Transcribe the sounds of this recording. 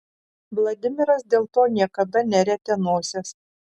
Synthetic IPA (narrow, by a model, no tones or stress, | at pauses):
ʋlˠɐd̪ʲɪmʲɪɾɐsd̪ʲeːlˠt̪oːnʲiɛkɐd̪ɐnʲɛɾʲɛt̪ʲɛnoːsʲɛs